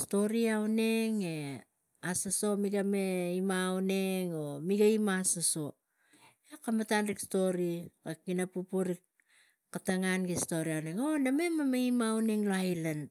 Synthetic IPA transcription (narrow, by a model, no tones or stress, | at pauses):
sto̞ɾiawne̞ŋe̞ | asaso̞miɡame̞imaone̞ŋomiɡaimasaso̞ | ekamatanɾiksto̞ɾikakinapupuɾik | kataŋanɡesto̞ɾiawneŋoname̞mamaimawneŋloajlan